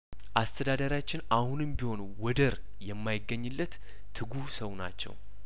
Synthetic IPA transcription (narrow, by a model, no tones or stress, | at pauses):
ʔast̪ʰəd̪ad̪əɾjat͡ʃːɪnʔahunɨmbiho̞n | wɔd̪əɾ | jɛmːajɪɡːəɲːɨlːət̪ːʰ | ɨɡusəwna̰t͡ʃːɛ̰w